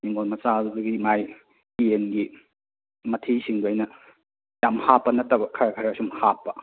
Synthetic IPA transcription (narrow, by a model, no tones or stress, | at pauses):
niŋonmɐsaduɡimaj | ienɡi | mɐtʰisiŋduɐjnɐ | jamhapːɐnɐtːɐbɐkʰɐɾɐkʰɐɾasumhapːɐ